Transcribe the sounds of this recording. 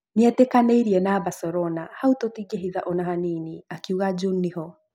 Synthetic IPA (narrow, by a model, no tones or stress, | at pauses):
neatekaneiɾiɛnabasɔɾɔnahautotiɡeɦiðaʔɔnaɦaniniakiuɣad͡ʒuniɦɔ